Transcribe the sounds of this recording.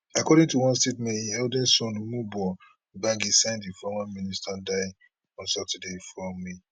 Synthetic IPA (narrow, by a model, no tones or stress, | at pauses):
akɔɾĩŋtuwɔ̃nstetmẽiɛldɛsɔ̃nmubɔ | bãɡisãɪ̃ndifɔmãmĩnistʰadaɪ | ɔ̃nsɔtʰɛdefɹɔmi